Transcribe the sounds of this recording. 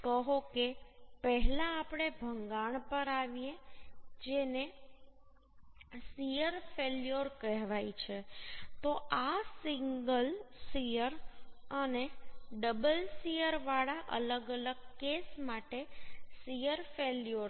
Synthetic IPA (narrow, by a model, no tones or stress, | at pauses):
kəɦokepəɦlaːpɽ̃ebʱəŋɡaɳ̃pəɾaʋijed͡ʒene | sijəɾfeljoɾkəɦʋajt͡ʃʰet̪oʔasiŋɡəlsijəɾəneɖəbəlsijəɾʋaɭaʔə̰ləɡələɡ̚kesmaʈesijəɾfeljoɾ